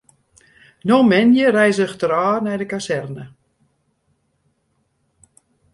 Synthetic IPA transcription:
nomɛnjərɛjzəxtəɾaːrnɛjdəkasɛrnə

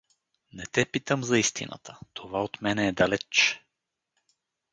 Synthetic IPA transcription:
nɛt̪ɛpit̪əmzɐist̪ḭnə̰t̪ʰə̥t̪ʰovaot̪mɛnɛːd̪ɐlɛt͡ʃ

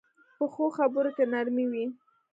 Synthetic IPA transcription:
pəxoxabəɾokenaɾmiwi

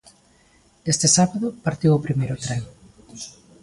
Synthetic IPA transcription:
est̪esaβaðʊpaɾt̪iwopɾimejɾʊt̪ɾeŋ

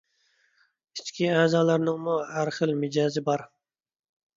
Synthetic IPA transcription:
it͡ʃkʲʰiæːzɑːlæɾnɪŋmuæɾχəlmɪd͡ʒɑːzɪbɑɾ

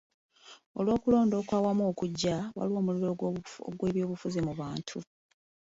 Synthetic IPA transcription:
o̞̰lwo̞ːkulo̞ːndo̞ːkwaːwamo̞ːkuɟːawa̰liwo̞ːmuluβeoo̰ɡweːβjo̞ːβufuzimuβaːntʰu

